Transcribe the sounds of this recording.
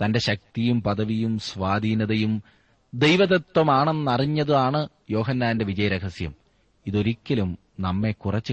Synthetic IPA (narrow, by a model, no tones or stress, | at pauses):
t̪ɐnde̞ɕɐk̚t̪ijumpɐðɐʋijumsʋaːd̪ʱiːnɐðɐjum | d̪ejʋɐðɐt̪wɐmaːɳenːɐriɲːɐðuaːɳɨ | jo̞ːɦɐnːaːnde̞ʋid͡ʑɐjɾɐkɐsjɐm | iðo̞ɾikʲːɐlum | nɐmːe̞kurɐt͡ɕːɨ